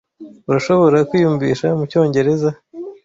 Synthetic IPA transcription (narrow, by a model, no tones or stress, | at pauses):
uɾaʃo̞βo̞ɾakwiːjuːɱviːʃamuco̞ːɲɟe̞ɾe̞za